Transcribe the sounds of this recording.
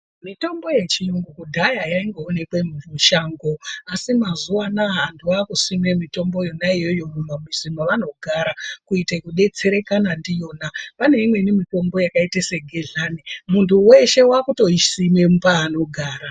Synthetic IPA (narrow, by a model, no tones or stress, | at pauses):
mito̞mbo̞je̞t͡ʃijoŋɡukudʱajajaiŋɡoːne̞kwemuvuʃaːŋɡo̞asimazuwanaːndʰuakusime̞mito̞mbo̞jo̞naijo̞jomumamisimoʋano̞ɡʱaɾakuitekuɗe̞t͡se̞ɾe̞kanandijo̞ːnapane̞imwe̞nimito̞mbo̞jakaiteseɡʱeɮanimuntʰuwe̞ʃe̞wakuto̞isimemupaːno̞ɡʱaːɾa